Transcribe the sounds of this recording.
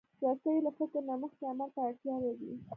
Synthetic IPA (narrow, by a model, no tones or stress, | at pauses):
sɑst̪əjlafɪkəɾnaməxt̪eamalt̪aaɽt̪jɑɾawi